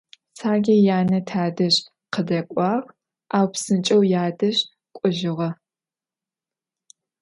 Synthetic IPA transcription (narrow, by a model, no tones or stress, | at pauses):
sʰaːɡʲɐjaːnɐtʰaːdɐɕ | qədɐkʷʼɑːʁ | aːwpsɨnt͡ʃʼɐwjaːdɐɕ | kʷʼʊʒɪʁɐ